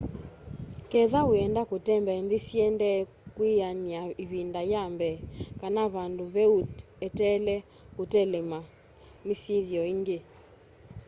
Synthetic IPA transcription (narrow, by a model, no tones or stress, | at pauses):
kɛðawɛndakutɛmbɛɛnðisiɛndɛ | kwianiaiβindajambɛkanaβanduβɛu | ɛtɛlɛ | kutɛlɛma | misiðjɔiŋɡe